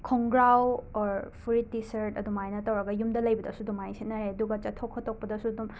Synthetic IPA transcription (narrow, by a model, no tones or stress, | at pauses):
kʰɔŋɡɾawɔɾpʰuɾitːisɐɾtɐdumajnɐtɐwɾɐɡɐjumdɐlɐjbɐdɐsudumajsetnɐɾeɐduɡɐt͡ʃɐtʰokʰːɔtʰːok̚pɐdɐsudum